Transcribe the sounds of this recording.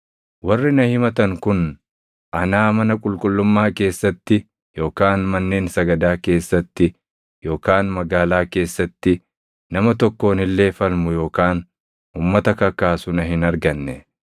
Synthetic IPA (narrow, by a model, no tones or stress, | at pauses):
wɐrːɪnɐhɪmɐt̪ɐŋkʊn | ʔɐnaːmɐnɐkʼʊlkʼʊlːʊmːaːke̞ːsːɐt̪ːɪ | jo̞ːkaːnmɐnːeːnsɐɡɐd̪aːke̞ːsːɐt̪ːɪ | jo̞ːkaːnmɐɡaːlaːke̞ːsːɐt̪ːɪ | nɐmɐt̪ɔkːo̞ːnɪlːe̞ːfɐlmʊjo̞ːkaːn | ʊmːɐt̪ɐkɐkːaːsʊnɐɦɪnɐɾɡɐnːɛ